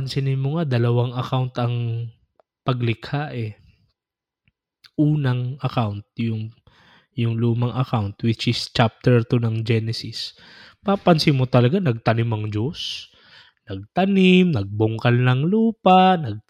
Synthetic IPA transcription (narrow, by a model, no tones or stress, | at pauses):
pɐnsɪnɪnmoŋad̪ɐlɐwaŋɐkawnt̪ɐŋ | pɐɡlɪkhaʔɛ | ʔuːnɐŋʔɐkawnt̪̚jʊŋ | jʊŋluːmɐŋʔɐkawnt̪wɪt͡ʃʔɪst͡ʃap̚t̪ɛɹt̪onɐŋd͡ʒɛnɛsɪs | papɐnsɪmːot̪ɐlɐɡanɐɡ̚t̪ɐnɪmɐŋd͡ʒos | nɐɡ̚t̪ɐnɪmnɐɡ̚bʊŋkɐlnɐŋluːpanɐɡ̚